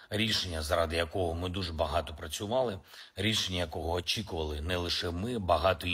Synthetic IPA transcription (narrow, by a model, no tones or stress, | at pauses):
ɾʲiʃenʲːɐzɾɑd̪ɪjɐkɔɦɔmɪd̪uʒbɐɦɑt̪ɔpɾɐt͡sʲʊʋɑlˠɪ | ɾʲiʃenʲːɐjɐkɔɦɔːt͡ʃʲikʊʋɐlˠɪnɛlˠɪʃɛmɪbɐɦɑt̪ɔ